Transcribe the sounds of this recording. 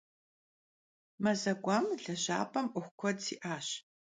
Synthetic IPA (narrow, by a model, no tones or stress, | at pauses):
mɐzɐɡʷaːmɮɐʑa̰ːpʰʼɐmʔʷʊxʷkʷʰɔdsḭːʔaːɕ